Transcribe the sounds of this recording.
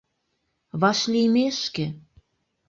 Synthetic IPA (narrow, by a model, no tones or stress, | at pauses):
βɑʃlimeʃke